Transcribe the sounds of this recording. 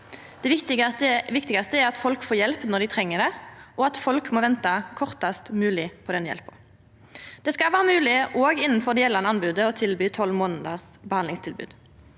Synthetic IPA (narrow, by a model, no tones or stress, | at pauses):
d̪̥ɛɪt̪ɪʋɪkt̪ɪɡɑst̪əɛʁɑt̪fɔlkfoːjɛlpnɔʁd̪ɪt̪ʰʁɛŋːəd̪ɛʔɔɑt̪fɔlkmɔʋɛnt̪ɑkʰɔʁt̪ɑst̪mʉːlɪpʰɔd̪ɛnjɛ̰lpə̰ | d̪̥ɛskɑʋæːʁəmʉːlɪʔoːɡɪnːən̩fɔʁd̪ɛjɛlːɑnɑnbʉːd̪əɔt̪ʰɪlbyːt̪ʰɔlːmoːnəd̪əsbəhɑnlɪŋst̪ʰɪlbʉ̰ːd̪